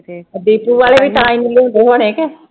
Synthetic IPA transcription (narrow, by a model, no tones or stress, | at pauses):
d̪iːpuːʋaːleːʋiʈaːimleɦõnd̪eːɦoːñeːkeː